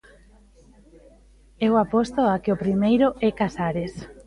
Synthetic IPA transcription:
ɛwapost̪oakeʊpɾimejɾʊʔɛkasaɾes

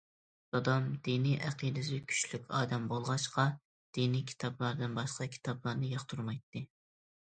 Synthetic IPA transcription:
ɑd̪ɑmd̪̥iniʔæqʰid̪ɨsɪkʲʰy̥ʃlykʲɑ̰ːd̪ɛmbolˠʁɑʃqɑ | d̪̥inikʲʰi̥t̪ʰɑblˠɑɾd̪ɨnbɑʃqɑkʲʰi̥t̪ʰɑblˠɑɾnɨjɑχt̪ʰuɾmɑjt̪ːɨ

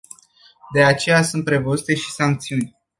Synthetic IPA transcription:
d̪e̞at͡ʃe̞jasunt̪̚pɾe̞vozut̪e̞ʃi̥saŋk̚t̪siunʲ

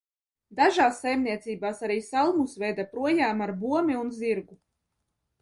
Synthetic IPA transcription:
d̪aʒaːsːajmniɛt̪siːbaːsaɾiːsalˠmusvɛjd̪apɾuɔjaːmaɾbuɔmʲiunziɾɡu

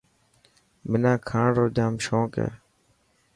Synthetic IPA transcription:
mɪnãːkʰãːɳɾoːd͡ʒãːmʃõːkḛː

